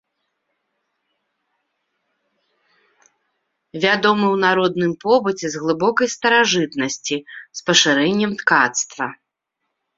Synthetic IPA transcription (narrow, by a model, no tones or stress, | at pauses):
vʲad̪ɔmɨwnaɾɔd̪̚nɨmpɔbɨt͡sʲɛzɣlˠɨbɔkɐjst̪ɐɾaʐɨt̪nɐsʲt͡sʲispɐʂɨɾɛnʲːɛmt̪kat̪st̪vɐ